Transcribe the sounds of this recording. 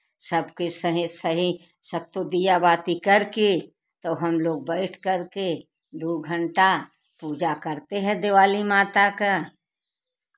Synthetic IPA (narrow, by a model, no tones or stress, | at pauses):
sɐbkesəɦisɐɦi | sɐt̪ːod̪ijabaːt̪ikɐɾke | t̪oːɦɐmloːɡ̚bəɪʈʰkɐɾke | d̪uɡʱə̃ɳʈa | puːd͡ʒakɐɾt̪eɦɛ̃d̪ɪʋaːlimaːt̪aka